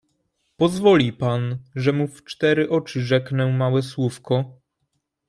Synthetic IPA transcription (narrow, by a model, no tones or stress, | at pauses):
pɔzvɔlʲipanʐɛmuft͡ʂt̪ɛɾɘʔɔt͡ʂɘʐɛknɛmawɛswufkɔ